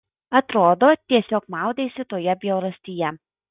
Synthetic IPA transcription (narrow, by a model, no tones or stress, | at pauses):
ɐt̪ɾoːd̪oːt̪ʲiɛsʲoːkmɑˑʊd̪ʲeːsʲɪt̪oːjɛbʲjɛʊɾɐsʲt̪ʲijɛ